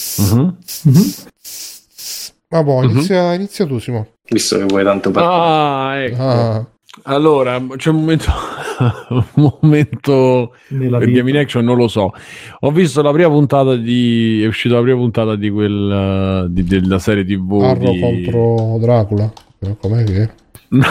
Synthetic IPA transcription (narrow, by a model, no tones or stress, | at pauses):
m̩ | abɔinisːjainit̪sːjat̪usimo | vist̪o̰kevːwɔjt̪ant̪opaaɛk | alːoːɾat͡ʃɛumːoment̪o | umoment̪o | pejaminɛkʃonːõnlosɔɔvːist̪olapɾiːmapunt̪aːt̪ad̪iɛuʃːiːt̪alapɾiːmapunt̪aːt̪ad̪ikwel | d̪id̪elːasɛːɾjet̪ivurokont̪ɾod̪ɾaːkula | ɔkːomɛkːe | n